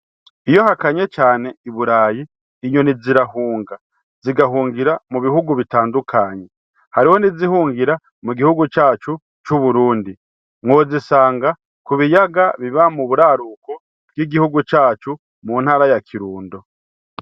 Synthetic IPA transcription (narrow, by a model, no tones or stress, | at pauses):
ijo̞hakaɲe̞t͡ʃaːne̞iβuɾaːjiː | ɲo̞niziɾahuːŋɡa | ziɡaɦuːŋɡiɾamuβihuɡuβitaːndukʰaːɲe̞ | haɾiho̞nizihuːŋɡiɾa | muɡihuɡut͡ʃaːt͡ʃu | t͡ʃuβuɾuːndi | ŋo̞zisaːŋɡa | kuβijaɡaβiβamuβuɾaɾuko | bɡiɡihuɡut͡ʃaːt͡ʃu | muːn̥haːɾajakʰiɾuːndo̞